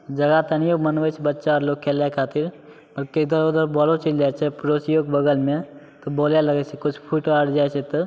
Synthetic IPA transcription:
d͡ʒɐɡat̪ɐnijomənʋəjt͡ʃʰbətːʃaɔːɾloːkʰːelakʰaːt̪iɾ | pɐɾked̪əɾoːd̪əɾbɔːlot͡ʃild͡ʒaːt͡ʃʰepɾosjoːɡbəɡəlme | t̪ɔboːljalɐɡɛt͡ʃʰekʊt͡ʃʰpʰuːʈoaɽd͡ʒaːjt͡ʃʰet̪

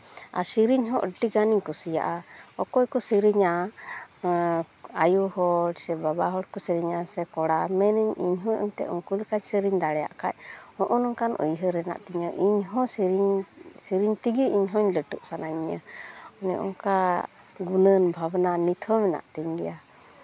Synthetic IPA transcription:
a̰siɾiɲɦɔ̃ʔəʈiɡaniɲkusija̰ʔaɔkɔjkɔsiɾiɲa | ajuhɔɽsɛbabaɦɔɽkɔsiɾiɲasɛkɔɽamɛniɲiɲɦɔɔ̰ɲt̪ɛ̰ʔuŋkulkaɲsiɾiɲd̪aɽɛja̰ʔkac̚hɔ̃ʔɔnɔŋkanṵjɦəɾɛna̰ʔt̪iɲɔʔiɲɦɔ̃ɾɲsiɾiɲt̪iɡiʔiɲɦɔɲləʈuʔsanaɲa̰ɔnɛʔɔ̰ŋka | ɡunənbʱabnanit̪ʰɔmɛna̰ʔt̪iɲɡɛja

